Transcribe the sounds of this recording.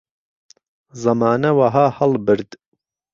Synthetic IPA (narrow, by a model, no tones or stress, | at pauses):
zɐmaːnɐwɐɦaːhɐlbɨɾd̪